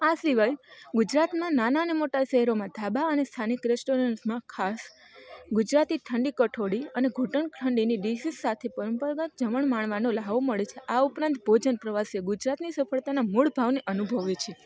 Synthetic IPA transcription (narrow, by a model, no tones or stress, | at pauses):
asiʋajɡud͡ʒɾat̪mãnanaənemoʈaʃɛɦɛɾomãd̪ʱabaənest̪ʰanikɾɛsʈoɾənsmãkʰas | ɡud͡ʒɾat̪iʈʰəɳɖikəʈʰoɽiəneɡʱuʈəɳkʰəɳɖiniɖisisːat̪ʰepəɾəmpəɾɡət̪̚d͡ʒəməɳmaɳ̃ʋanolaʋoməɭet͡ʃʰeʔaupɾãnt̪bʱod͡ʒənpɾəʋaseɡud͡ʒɾat̪nisəfʰəɭt̪anamuɭbʱaʋneʔənubʱəʋet͡ʃʰe